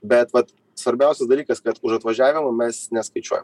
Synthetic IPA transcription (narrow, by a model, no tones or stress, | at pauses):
bʲɛt̪ʋɐt̪ | sʋɐɾʲbʲæˑʊsʲɛsd̪ɐlʲiːkɐskɐt̪ʊʃɐt̪ʋɐʒʲæːʋʲɪmʊmʲɛsnʲɛskɐɪt͡ʃʲuɔjɛ̰m